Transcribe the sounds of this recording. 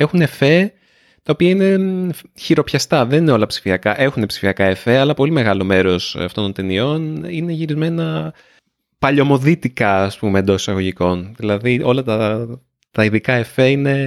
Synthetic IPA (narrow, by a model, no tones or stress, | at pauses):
e̞xune̞fe̞ | t̪ɐo̞piɐine̞çiɾo̞pçɐst̪ɐðe̞nineo̞lɐpsi̥fiɐkɐʔe̞xune̞psi̥fiɐkɐefe̞ɐlɐpo̞lime̞ɣɐlo̞me̞ɾo̞sɐft̪ont̪o̞nt̪enio̞nine̞ʝiɾizme̞nɐ | pɐʎo̞mo̞ðit̪ikɐːspumeend̪o̞si̥sɐɣo̞ʝiko̞nðilɐðio̞lɐt̪ɐ | t̪ɐiðikɐefe̞ine̞